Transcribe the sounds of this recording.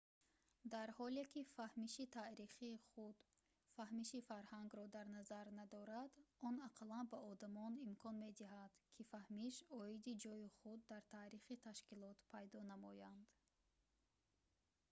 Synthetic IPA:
d̪aɾhɔlekʰifahmiʃit̪ʰaɾiχiːχud̪ | fahmiʃifaɾhaŋɡɾɔd̪aɾnazaɾnad̪ɔɾad̪ɔnaqʰlanbaɔd̪amɔnimkʰɔnme̞d̪iɦad̪̥kʰifahmiʃɔid̪id͡ʒɔjiχud̪ːaɾt̪ʰaːɾiχit̪ʰaʃkilɔt̪pʰajd̪ɔnamɔjand̪̥

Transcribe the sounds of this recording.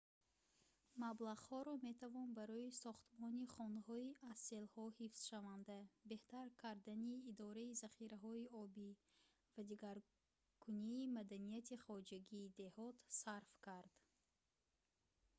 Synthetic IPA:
mablaʁhɔɾɔme̞t̪ʰavɔnbaɾɔisɔχt̪mɔniχɔnhɔiʔase̞lhɔhifsʃavand̪abe̞ht̪aɾkʰaɾd̪aniːd̪ɔɾaizaχiɾaɦɔiɔbi | vad̪iɡaɾ | kʰuniːmad̪anijat̪ʰiχɔd͡ʒaɡiːd̪e̞hɔt̪saɾfkʰaɾd̪̥

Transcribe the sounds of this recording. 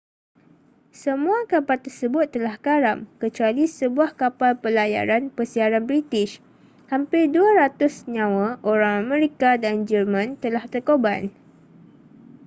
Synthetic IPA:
səmũakapalt̪ərsəbʊt̪ːəlahkaɾamkət͡ʃualisəbuahkapalpəlaja̰ɾanpərsiaɾanbɾit̪ɪʃ | hampɪrduaɾat̪ʊsɲãwaʔoɾaŋamɛ̃ɾikadand͡ʒərmãnt̪əlaht̪ərkoban

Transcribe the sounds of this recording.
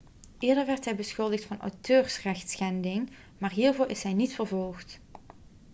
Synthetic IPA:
ʔɪːɹdəɹʋɛɹtɦɛjbəsxɵlˠdəxtfɑnʔœ̰wtøːɹsrɛxtsxɛndɪŋ | maːɹɦiːɹvʊːɹʔɪsɦɛjnitfərvɔlˠxt

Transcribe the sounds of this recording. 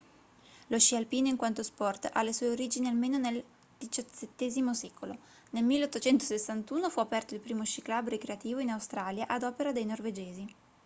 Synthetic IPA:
loʃːialpiːnoiŋkwant̪ospɔrt̪a̰lːeswuːeoɾiːd͡ʒinialmeːnonel | d̪̥it͡ʃaet̪ːeːzimosɛːkʰolo | nelmilːeot̪ːot͡ʃɛnt̪osesːant̪uːnofuapɛrt̪oilpɾiːmot͡ʃiklabɾekɾeat̪iːvoinawst̪ɾaːljaʔad̪ɔːpeɾad̪ejnorved͡ʒeːzi

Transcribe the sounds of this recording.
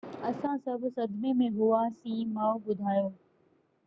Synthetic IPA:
ɐsãsɐbʱsɐd̪memẽɦʊasĩːmaːobʊd̪ʱaːjoː

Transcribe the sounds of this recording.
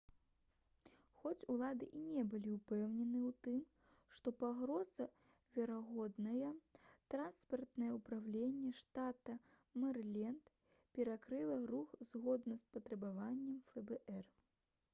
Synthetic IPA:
xɔt͡sʲulˠad̪ɨʔinʲɛbɨlʲiupɛwnʲɛnɨwt̪ɨm | ʂt̪ɔpaɣɾɔzɐ | vʲɛɾaɣɔd̪nɐjɐt̪ɾanspɐrt̪nɐjɛupɾawlʲenʲːɛʂt̪at̪ɐ | mɐrlʲɛnt̪ | pʲɛɾakɾɨlˠɐɾuxzɣɔd̪nɐspɐt̪ɾɐbavanʲːɛmfɛbɛʔɛr

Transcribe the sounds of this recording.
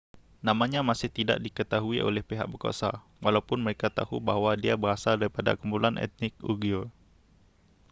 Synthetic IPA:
namaɲamasɪht̪ida̰ʔdikət̪aɦuiʔo̰lɛhpeɦa̰k̚bərko̰sa̰ | walawpʊnməɾekat̪ahṵbaɦwadiabəɾasaldaɾipada̰kumpulanʔɛ̰t̪̚nɪk̚uɡio

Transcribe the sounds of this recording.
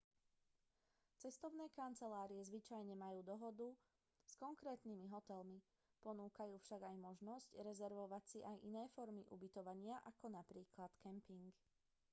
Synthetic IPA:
t͡sɛst̪ɔʊnɛːkant͡sɛlaːɾiɛzʋit͡ʃajɲɛmajuːd̪ɔɦɔd̪u | skɔŋkɾɛːt̪nimiɦɔt̪ɛlmi | pɔnuːkajuːfʃaɡajmɔʒnɔscɾɛzɛɾʋɔʋat͡siʔajʔinɛːfɔɾmiʔubit̪ɔʋaɲɪaʔakɔnapɾiːklat̪kɛmpiŋk

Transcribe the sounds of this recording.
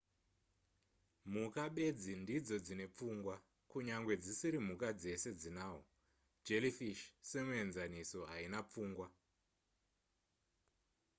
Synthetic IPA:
mukaɓe̞d͡zindid͡zo̞d͡zine̞p͡fuːŋɡwa | kuɲaŋɡwe̞d͡zisiɾim̤ukad͡ze̞se̞d͡zinaːɦo | d͡ʒe̞lifiʃsemue̞nzaniso̞ɦainap͡fuːŋɡwa

